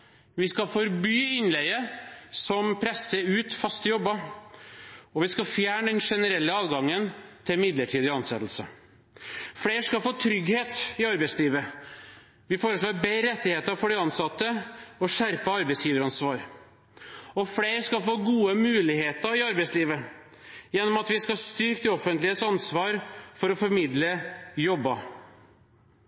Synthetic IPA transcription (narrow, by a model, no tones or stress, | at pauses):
ʋɪskɑfɔɾbyːɪnlɛəsɔmpʰɾɛsːəʉːt̪fɑst̪əjɔbːə | ɔʋɪskɑfjæːɳəd̪ɛnʂɛnəɾɛlːəɑːd̪ɡɑŋːənt̪ʰɪmɪd̪ləʈʰiːd̪ɪɑnsɛt̪l̩sə | fɽeːɾʂkɑfoːt̪ʰɾʏɡheːt̪ɪɑɾbɛɪsliːʋə | ʋɪfoːɾəʂloːɾbeɾɛt̪ːɪheːt̪əɾfɔɖɪɑnsɑt̪ːəɔʂæɾpəɑɾbɛɪsjiːʋəɾɑnsʋɑːɾ | ɔfleːɾʂkɑfoːɡuːəmʉːlɪheːt̪əɾɪɑɾbɛɪsliːʋə | jɛnːɔmɑt̪ʋɪskɑst̪ʏɾkt̪ɪɔfənt̪lɪəsɑnsʋɑːɾfɔɾɔfɔɾmɪd̪ləjɔbːɑ